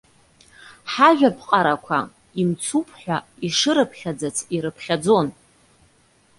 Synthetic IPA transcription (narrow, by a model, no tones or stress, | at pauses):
ħaʒᶣapʰʼqʼaɾakʷʰa̰ | imt͡sʰupʰħʷᶣaiʂɨɾɨpʰχʲad͡zat͡sʰiɾɨpʰχʲad͡zo̞n